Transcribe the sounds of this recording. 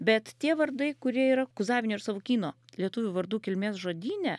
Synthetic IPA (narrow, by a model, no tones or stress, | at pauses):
bʲɛt̪t̪ʲiɛʋɐrd̪ɐɪkʊɾʲiɛiːɾɐkʊzɑːʋʲɪnʲoːɪɾsɑːʋokʲiːnoːlʲiɛt̪ʊʋʲʊʋɐɾd̪uːkʲɪlʲmʲeːsʒoːd̪ʲiːnʲɛ